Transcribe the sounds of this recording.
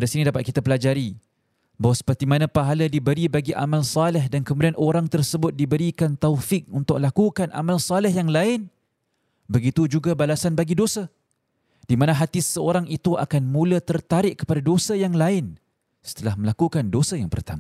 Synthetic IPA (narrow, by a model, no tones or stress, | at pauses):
padiasinidapat̪̚kit̪apəlad͡ʒaɾi | bawasə̥pərt̪imanãpaɦaladibəɾibaɡiʔa̰malsalɛhdankəmudianoɾaŋt̪ərsəbʊt̪̚dibəɾikant̪awfɪk̚unt̪ʊk̚lakukanʔa̰malsalɛhjaŋlaɪn | bəɡit̪ud͡ʒuɡabalasanbaɡidosa | d̥imanãɦat̪isəoɾaŋit̪uʔa̰kanmũlət̪ərt̪aɾɪʔ̚kːə̥padadosajaŋlaɪn | sə̥t̪əlahməlakukandosajaŋpərt̪ama